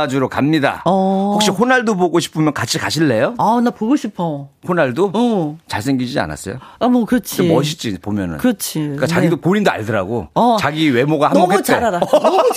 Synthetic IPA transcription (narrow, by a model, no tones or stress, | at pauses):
d͡ʑuɾokamɲida̰ʌhok̚ɕ͈iɸonaɭdoboɡoɕʰi̥pʰɯmjʌnkat͡ɕʰikaɕʰiɭːe̞joanapoɡoɕʰipʰʌhonaɭdot͡ɕaɭsʰeŋɡid͡ʑid͡ʑia̰na̰s͈ʌjo̰amʌkɯɾʌt͡ɕʰeimʌɕ̬ʰit͡ɕ͈ipomjʌnɯ̰nkɯɾʌt͡ɕʰiik͈at͡ɕaɡidopoɾinda̰ɭdɯɾa̰ɡo̰t͡ɕaɡiːwe̞moɡahamnmokett͡ɕeaɾada